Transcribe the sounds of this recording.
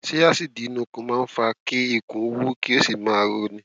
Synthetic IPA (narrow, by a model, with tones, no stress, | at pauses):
ʃe˦ja˦˨si˦˨di˨˦nũ˧˦kũ˧˦mãː˦˧n̩˦fa˧ke˦i˦˨kũ˨˦wu˦ki˦o˦si˦˨mãː˦a˧ɾo˧nĩ˧